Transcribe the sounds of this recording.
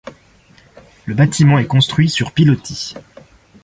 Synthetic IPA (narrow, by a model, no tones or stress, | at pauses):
ləbat̪ʰimɑ̃ɛkɔ̃st̪χɥisyʁpilɔt̪ʰi